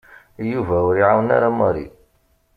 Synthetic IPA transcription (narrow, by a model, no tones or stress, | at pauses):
juvæʊɾiʕawəna̰ɾaməɾḭ